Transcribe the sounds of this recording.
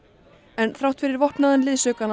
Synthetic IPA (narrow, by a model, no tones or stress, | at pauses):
ɛnθɾawht̪fɪɾɪɾvɔhpnaðʏnlɪðsœkan